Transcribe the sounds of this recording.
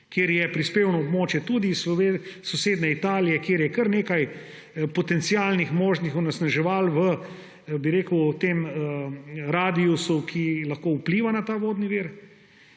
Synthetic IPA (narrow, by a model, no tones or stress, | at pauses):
kjeːɾjɛpɾispeːwnɔobmoːt͡ʃjɛt̪ud̪issɔseːd̪nɛit̪aːlijɛkjeːɾjɛkəɾneːkaj | pɔt̪ɛnt̪sijaːlnixmoːʒnixɔnɛsnaʒɛʋalʋə | biɾeːkəwt̪eməɾaːd̪iusukʰilɐxkoːupliːʋanat̪aːʋoːd̪niʋiɾ